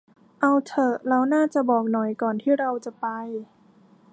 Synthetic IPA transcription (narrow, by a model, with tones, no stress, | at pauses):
ʔa˧wt̪ʰɤ˨˧˩ɾa˧wnaː˥˩t͡ɕa˨˩bɔː˨˩k̚nɔ˨˩jkɔː˨˩nt̪ʰiː˥˩ɾa˧wt͡ɕa˨˩pa˧j